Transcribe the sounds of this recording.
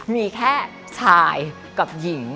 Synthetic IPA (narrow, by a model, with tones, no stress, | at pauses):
miː˧kʰɛː˥˩ | t͡ɕʰaː˧j | ka˨˩p̚ji˨˩˦ŋ